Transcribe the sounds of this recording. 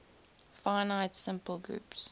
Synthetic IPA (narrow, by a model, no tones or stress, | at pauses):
faɪnaɪtsɪ̃mpəlˠɡɹṵːps